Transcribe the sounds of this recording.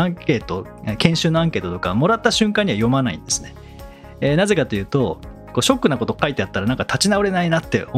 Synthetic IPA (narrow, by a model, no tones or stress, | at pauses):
ãŋke̞ːt̪o̞ | ekẽ̞ɰ̃ɕɨːnːoãŋke̞ːt̪ot̪o̞kamo̞ɾat̪ːaɕɨ̃ŋkãɲ̟ːiβajo̞manaḭ̃nd̪e̞sɨ̥ne | enaze̞kat̪ojɯ̟ːt̪o̞ | koːɕo̞kːɯ̟nako̞t̪o̞kait̪e̞at̪ːaɾanãŋkat̪at͡ɕinaɯ̟ɾe̞nainat̪ːe̞ʔo